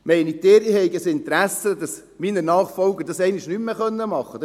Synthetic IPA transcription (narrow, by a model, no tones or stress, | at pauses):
mɛɪnid̥̪ɪːɾihɛɪɡəsɪnt̪əɾæsəd̪ɑs | minənɑːχfɔlɡəɾdɑsɛɪniʃnymmeχœnːəmɑχːəd̥̪